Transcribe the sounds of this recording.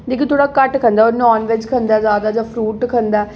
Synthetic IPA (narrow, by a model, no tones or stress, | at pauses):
d͡ʒeːkit̪ʰoːɽaːkəʈkʰə̃nd̪aːoːɾnɔːnʋɪd͡ʒkʰənd̪aːzjaːd̪aːd͡ʒaːpʰɾuːʈkʰənd̪aː